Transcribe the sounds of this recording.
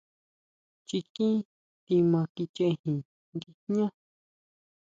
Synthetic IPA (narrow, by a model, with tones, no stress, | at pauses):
t͡ʃi˧kĩ˦ | t̪i˧mã˧ki˧t͡ʃẽ˧hĩ˨ | ŋɡi˧ɲã˦